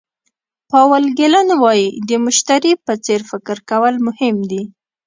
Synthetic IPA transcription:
pɑwəlɡɪlanwɑjid̪əmʊʃt̪aɾipət͡seɾfɪkɪɾkawəlmʊhɪmd̪i

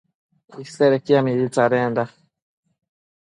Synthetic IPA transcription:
isɛɾɛkiamiɾitaɾɛnda

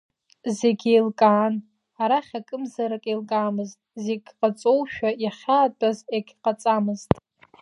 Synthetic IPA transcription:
ze̞ɡʲejlkʼaːn | aɾaχʲakʼɨmzaɾakʼelkʼaːmɨztʼzeɡʲqʼat͡sʼowʃᶣajaχʲaːtʼazeɡʲqʼat͡sʼamɨztʼ

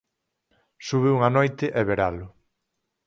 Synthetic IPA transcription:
suβeuŋanojt̪ɪʔɛβeɾalʊ

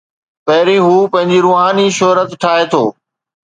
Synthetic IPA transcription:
pɐɦɪɾĩɦuːpɐ̃ɦɪ̃ɲd͡ʑiɾuːɦaːniʃoɦɾət̪ʈʰaːɦet̪ʰoː

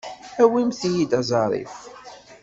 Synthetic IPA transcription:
æwimθjid̪ɑzˤɑɾˤḭf

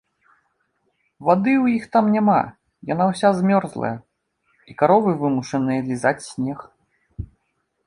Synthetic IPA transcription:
vad̪ɨwjixt̪amnʲama̰ | janawsʲazmʲɔrzlˠɐ̰jɐ | ikaɾɔvɨvɨmuʂɐnɨjɐlʲizat͡sʲsʲnʲɛx

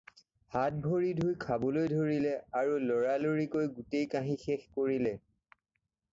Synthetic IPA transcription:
hat̚bʱoɹidʱujkʰabɔlojdʱoɹilɛaɹulɔɹaloɹikojɡutejkãɦĩxɛxkoɹilɛ

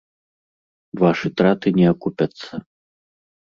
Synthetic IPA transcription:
vaʂɨt̪ɾat̪ɨnʲɛakupʲɐt̪sːɐ

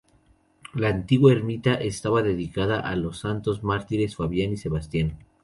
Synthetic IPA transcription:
laːnt̪iɣwaeɾmit̪aʔest̪aβaðe̞ðikaðaʔalo̞sːant̪o̞zmaɾt̪iɾesfaβjanise̞βast̪jan

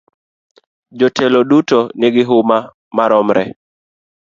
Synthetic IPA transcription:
d͡ʒɔtʰɛlodutonɪɡɪɦʊma | maɾɔmɾɛ̰

